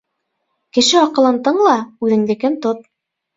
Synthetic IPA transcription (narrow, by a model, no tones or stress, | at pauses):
kɘ̆ʃɘɒqɤ̆lˠɤ̆nt̪ɤɴlˠɑʉðɘ̆ŋd̪ɘ̆kɘnt̪op̪̚